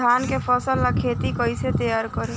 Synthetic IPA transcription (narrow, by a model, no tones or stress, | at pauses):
ankepʰəsəlːakʰet̪ikəjset̪əjaɾkəɾe